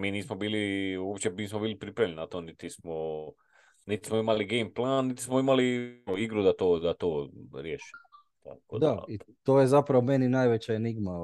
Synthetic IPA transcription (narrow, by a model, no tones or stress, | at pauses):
miːniːsmobiːlioːpt͡ɕeiːsmobiːlipɾipɾaʋjʎeninat̪onit̪ismo | nit̪i̥smoimaliɡejmplˠanːit̪i̥smoimalioiɡɾud̪at̪oːd̪at̪oːɾjeːʃi̥m | t̪a̰kod̪ait̪oːjezapɾaʋomeninajʋet͡ɕaeniɡma